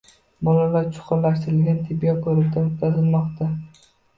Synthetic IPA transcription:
bɒlalaɾt͡ʃʰʊ̥qʰʊɾlaʃt̪ɪɾɪlɡʲant̪ʰɪbijɒkʰɵɾɪɾd̪ʰamʊt̪ʰazɪlmɒqt̪ʰa

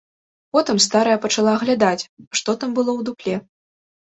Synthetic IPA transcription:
pɔt̪ɨmst̪aɾɐjɐpɐt͡ʂalˠaɣlʲad̪at͡sʲʂt̪ɔt̪ambɨlˠɔwd̪uklʲɛ

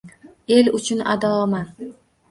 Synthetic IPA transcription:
e̞lʊt͡ʃʰʊna̰d̪ɒɒma

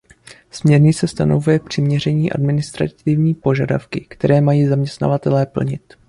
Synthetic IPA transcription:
smɲɛɾɲɪsɛst̪ano̞vujɛpr̝̥ɪmɲɛr̝ɛɲiːʔa̰dmɪnɪst̪ɾa̰t̪ɪvɲiːpo̞ʒada̰fkɪkt̪ɛɾɛːmajiːzamɲɛst̪na̰vat̪ɛlɛːpl̩ɲɪt̪

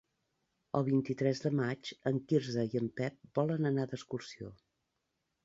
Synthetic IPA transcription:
ə̰lˠβint̪it̪ɾɛzðəmat͡ʃəŋkiɾzəiəmpɛp̚bɔlənənad̪əskursio̰

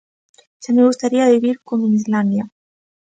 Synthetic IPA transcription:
ʃameɣust̪aɾiaβiβiɾkomenizland̪ja

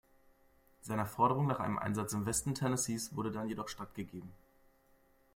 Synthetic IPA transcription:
z̥aɪnəfɔɐɾəʁ̞ʊŋnaːχʔa̰ɪnəmʔa̰ɪnzat͡sɪmvɛstn̩tʰɛnəsiːsv̥ʊɐɾədanjedɔχʃtatɡ̥əɡeːbm̩

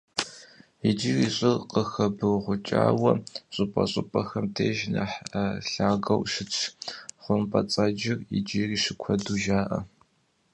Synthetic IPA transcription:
id͡ʒiːriːɕʼɪrqəxɐbɨwʁʷʊt͡ʃʼa̰ːwɐɕʼʊpʼɐ̰ɕʼʊpʼɐxɐmtʰeːʒnɐ̰ħɬaːɡɐwʂɪt͡ʃʰχʷʊmpʼɐt͡sʼaːd͡ʒɪrḭd͡ʒiːriːʂɪkʷʰɐduːʒaːʔɐ̰

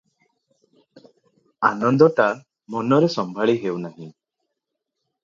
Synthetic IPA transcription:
anɔnd̪ɔʈa | mɔnɔɾesɔmbʱaɭiɦewnaɦĩ

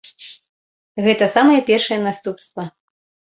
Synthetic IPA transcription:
ɣɛt̪ɐsamɐjɐpʲɛrʂɐjɛnast̪upst̪vɐ

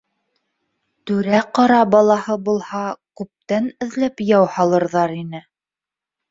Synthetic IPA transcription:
t̪ʉɾæqɑɾɑbɑlˠɑhɤbulˠhɑkʉp̚t̪ænɘ̆ðlæpjɑwhɑlˠɤ̆ɾðɑɾinɘ

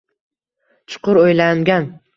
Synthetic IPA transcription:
t͡ʃʰʊ̥qʊɾojlaŋɡʲan

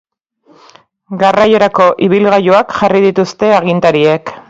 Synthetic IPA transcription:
ɡaraje̞ɾako̞ʔiβ̞ilɣajoakʝarið̞it̪ust̪e̞aɣ̞int̪aɾie̞k

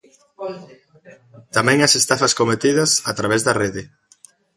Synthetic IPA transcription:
t̪amɛ̃ŋɐsest̪afɐskomet̪iðɐsat̪ɾaβ̞ɛzðɐreðɪ

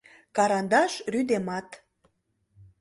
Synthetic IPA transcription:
kɑɾɑnd̪ɑʃryd̪emɑt̪

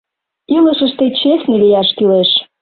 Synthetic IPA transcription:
iləʃəʃt̪et͡ɕesʲnelijæʃkyleʃ

